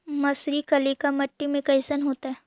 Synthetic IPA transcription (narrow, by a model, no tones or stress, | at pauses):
mɐsɾikɐlikamɐʈːimẽkɐɪsənɦoːt̪aɦɛː